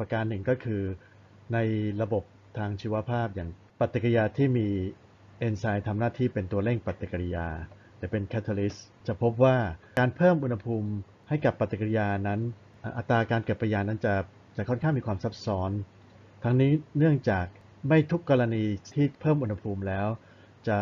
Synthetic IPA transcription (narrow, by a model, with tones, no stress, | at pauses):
pa˧kaː˧nːɯ˨˩ŋkɔː˥˩kʰɯː˧ | na˧jɾa˧bo˨˩p̚t̪ʰaː˧ŋt͡ɕʰiː˧wa˧˥pʰaː˥˩p̚jaː˨˩ŋ | pa˨˩t̪ːi˨˩kjaː˧t̪ʰiː˥˩miː˧ | ʔe˧nsaː˧jt̪ʰa˧mnaː˥˩t̪ʰiː˥˩pe˧nt̪u˧ɐle˥˩ŋpɾa˨˩t̪ːi˨˩ka˧ɾi˧jaː˧ | t̪ɛː˨˩pe˧nkʰa˦˥t̪ʰa˧li˦˥s | t͡ɕa˨˩pʰo˦˥p̚waː˥˩kaː˧npʰɤː˥˩mʔu˧nha˧pʰuː˧m | ha˥˩jka˨˩pːa˨˩t̪ːi˨˩ki˧jaː˧na˦˥n | ʔaː˧˩ʔa˨˩t̪ɾaː˧kaː˧nkɯ˨˩t̚pʰːɾa˧jaː˧na˦˥nt͡ɕa˨˩ | t͡ɕa˨˩kʰɔ˥˩nkʰaː˥˩ŋmiː˧kʰwaː˧msa˦˥p̚sɔː˦˥n | t̪ʰa˦˥ŋniː˦˥nɯ˥˩əŋt͡ɕaː˨˩k̚ | ma˥˩jt̪ʰu˦˥kːɔ˧ɾa˧niː˧t̪ʰiː˥˩pʰɤː˥˩mʔu˧nha˧pʰuː˧mlɛː˦˥w | t͡ɕa˨˩